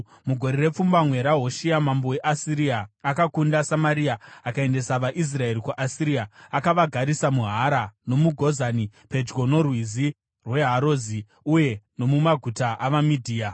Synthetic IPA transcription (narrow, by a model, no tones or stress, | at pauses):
muɡʱo̞ɾeɾe̞p͡fumbamwe̞ɾaɦo̞ʃiamambo̞weʔasiɾiaːkakundasamaɾiaakae̞nde̞saʋaʔis̬rae̞ɾikwuʔasiɾiaakaʋaɡʱaɾisamuɦaɾano̞muɡʱo̞zanipe̞d͡ʒɡo̞no̞rwizi | rwe̞ɦaɾo̞zi | uje̞no̞mumaɡʱutaʔaʋamidʱiːa